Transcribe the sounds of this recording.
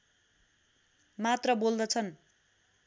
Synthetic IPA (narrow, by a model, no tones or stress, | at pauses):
mat̪rʌbold̪ʌt͡sʰʌn